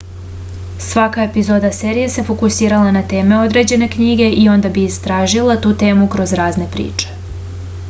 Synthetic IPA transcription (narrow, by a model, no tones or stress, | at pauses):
sʋakae̞pizo̞d̪aseɾijese̞fo̞kusiːɾalanat̪e̞ːme̞o̞d̪ɾe̞d͡ʑe̞ne̞kɲiɡe̞ʔio̞nd̪abiist̪ɾaːʒilˠat̪uːt̪e̞ːmukɾo̞zɾaːzne̞pɾḭːt͡ʃe̥